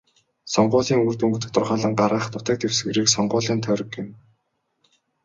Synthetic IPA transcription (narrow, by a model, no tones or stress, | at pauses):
sɔɴɢʊːɮiːŋuːrt̪uŋɡɵ̆t̪ɘ̆t̪ʊrχaːɮə̆ɴɢaɾaːχt̪ʊt̪ăːk̚t̪ʰewsɡĕɾiːksɔɴɢʊːɮiːnt̪ʰœːɾɞ̆kːɪ̆m